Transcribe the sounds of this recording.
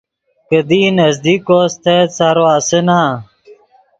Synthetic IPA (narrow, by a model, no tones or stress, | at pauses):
kəd̪iːnɐzd̪iːkoːst̪ʰeːsaɾoasenã